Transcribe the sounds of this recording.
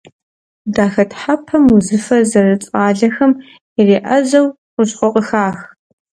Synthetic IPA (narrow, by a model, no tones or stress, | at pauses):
daːxɐtħapʰɐmuzɨfɐzɐrɨt͡sʼaːɮɐxɐm | ireːʔɐzɐw | qʷʊɕqʷʼɔqʼəxaːx